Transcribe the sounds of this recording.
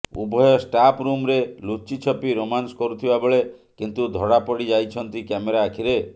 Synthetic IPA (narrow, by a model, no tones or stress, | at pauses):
ṵbʱɔjɔsʈapɾumɾelut͡ʃit͡ʃʰɔpiɾomanskɔɾut̪ʰibaboɭe | kint̪ud̪ʱɔɽapɔɽid͡ʒajt͡ʃʰɔnt̪ikameɾaːkʰiɾe